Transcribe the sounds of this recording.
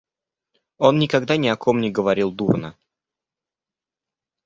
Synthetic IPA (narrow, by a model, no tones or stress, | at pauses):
o̞nːʲɪkɐɡd̪anʲɪɐkʰo̞mnʲɪɡəvɐɾʲilˠd̪urnə